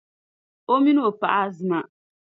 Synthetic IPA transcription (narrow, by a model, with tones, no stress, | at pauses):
o˦mi˦no˦˨pa˦˨ʔa˦zɨ˨ma˨